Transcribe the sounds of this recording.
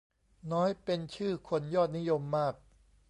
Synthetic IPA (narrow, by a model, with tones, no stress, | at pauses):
nɔː˦˥jpe˧nt͡ɕʰɯː˥˩kʰo˧njɔː˥˩t̪̚ni˦˥jo˧mːaː˥˩k̚